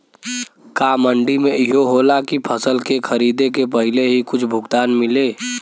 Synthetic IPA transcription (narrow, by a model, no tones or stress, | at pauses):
kaːməɳɖimẽɪɦoɦoːlakipʰəsəlkekʰɐɾiːd̪ekep̬ɐɦɪleɦikʊt͡ʃʰbʱʊɡt̪aːnmɪleː